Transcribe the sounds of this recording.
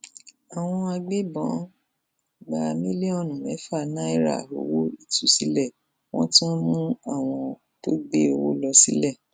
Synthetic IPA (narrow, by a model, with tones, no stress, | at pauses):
a˨w̃ɔ̃˧a˧ɡ͡be˦bɔ̃˨˦ | ɡ͡ba˧mĩ˦li˦ɔ˦˨nũ˨ɛ˨˦fa˦˨nã˦i˦ɾa̰˦˨o̰˨wo˦i˦˨tu˨˦si˨˦lɛ˦˨ | w̃ɔ̰̃˦tĩ˦mũ˦a˦˨w̃ɔ̃˧ | to˦ɡ͡be˦o˧wo̰˦lɔ˧sḭ˦lɛ˦˨